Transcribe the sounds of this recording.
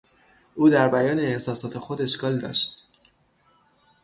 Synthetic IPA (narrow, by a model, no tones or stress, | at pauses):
ʔuːd̪æɾbæjɒːneːhsɒːsɒːt̪ʰexod̪e̞ʃkɒːld̪ɒ̰ːʃt̪